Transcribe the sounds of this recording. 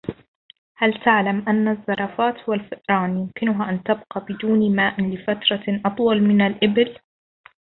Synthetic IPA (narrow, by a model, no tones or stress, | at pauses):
halt̪aʕlamʔanːaðˤːɑɾˤɑfaːt̪hʊwalfɪʔɾˤɑːnjʊmkɪnʊɦaʔant̪abqɑbɪd̪uːnmaːʔlɪfat̪ɾˤɑʔɑt̪ˤwɑlmɪnalʔɪbɪl